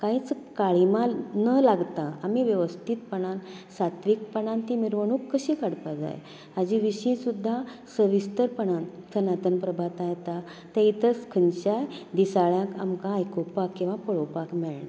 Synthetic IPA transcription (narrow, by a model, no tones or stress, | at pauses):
kaĩt͡skaɭimãnəlaɡt̪ãamiʋjəʋəst̪ʰit̪̚pəɳansat̪ʋik̚pəɳãnt̪imiɾʋəɳ̃uːkːəɕĩːkaɽpad͡za̰j | ad͡ʑiʋiɕĩsud̪ʱːasəʋist̪əɾpəɳant̪ʰənat̪ənpɾəbʱat̪ãjet̪a | t̪ẽit̪əskʰənɕajd̪isaɭjãkamkãːjkopakːĩw̃ʋapəɭopakmɛɭɳa